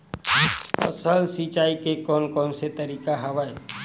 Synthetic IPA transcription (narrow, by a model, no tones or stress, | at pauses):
ɐ̰səlsit͡ʃaːikekɔːnkɔːnset̪əɾiːkaɦɐʋae